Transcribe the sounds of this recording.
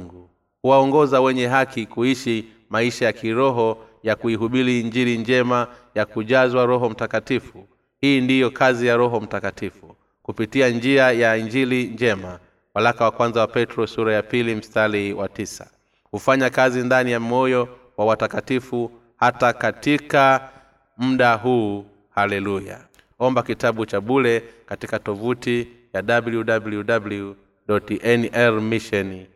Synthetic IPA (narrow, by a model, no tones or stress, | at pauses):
ŋɡu | huwaɔŋɡɔzawɛɲɛɦakikuiʃi | maiʃajakiɾɔɦɔ | jakuiɦuɓiliːɲd͡ʒiliɲd͡ʒɛmajakuʄazwaɾɔɦɔm̩takatifu | hiːndijɔkazijaɾɔɦɔm̩takatifu | kupitiand͡ʒiajaiɲd͡ʒiliɲd͡ʒɛma | walakawakwanzawapɛtɾɔsuɾajapilim̩staliwatisḁ̰ | hufaɲakazindanijamɔjɔ | wawatakatifu | hatakatika | m̩ɗaɦuː | halɛluja̰ | ɔmbakitaɓut͡ʃaɓulɛkatikatɔvutijaɗabljuɗabuljuɗablju | ɗɔtʔɛnʔɛɾmiʃɔn